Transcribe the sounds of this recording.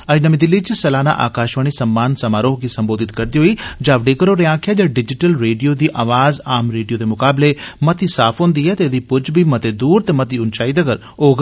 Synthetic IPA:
əd͡ʒnəmiːd̪ɪlːiːt͡ʃsəlaːna̰ʔa̰ːkaːʃʋəɽ̃iːsəmːaːnsəmaːɾoːɦɡisəmboːd̪ɪt̪kɐɾd̪iːɦoːiːd͡ʒaːʋɖeːkəɾoɾeãːkʰjaːd͡ʒaːɖɪd͡ʒɪʈəlɾeːɖijoːd̪iːʔaːʋaːzaːmɾeːɖijoːd̪eːmʊkaːblemɐt̪iːsaːpʰɦõːnd̪iːɛːt̪ed̪iːpʊd͡ʒbʱiːmɐt̪eːd̪uːɾt̪eːmɐt̪iːʊnt͡ʃaːid̪əɡəɾ | oːɡ

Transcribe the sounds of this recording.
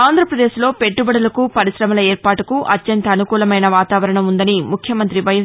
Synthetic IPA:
aːnd̪ʱɾɐpɾɐd̪e̞ːslo̞ːpe̞ʈːubɐɽɐlɐkupɐɾisɾɐmɐlɐeːɾpaːʈukuʔɐt̪jɐnt̪ɐːnukuːlɐmɐjnɐʋaːt̪aːʋɐɾɐɳɐmund̪ɐnimukʰjɐmɐnt̪ɾiʋɐjɐ

